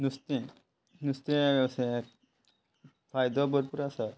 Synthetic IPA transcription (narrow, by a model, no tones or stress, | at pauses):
nust̪ẽ | nust̪ẽəseɾ | fajd̪ɔbəɾpuɾasa